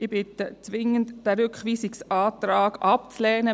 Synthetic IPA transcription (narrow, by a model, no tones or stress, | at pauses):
ʔɪbɪt̪ət͡sʋɪŋəntd̥æɾʏkχʋiːsiksɑːt̪ɾaːɡʔɑpt͡slɛːnə